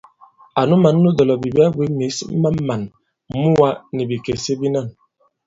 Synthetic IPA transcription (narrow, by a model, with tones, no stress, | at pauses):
a˨nu˦ma˨˦nː˦u˦dɔ˨lɔ˨bi˨ba˦bwi˨˦mi˨˦sma˦mːa˨n˦ | mu˦wa˦ni˨bi˨ke˨se˦bi˦na˦˨n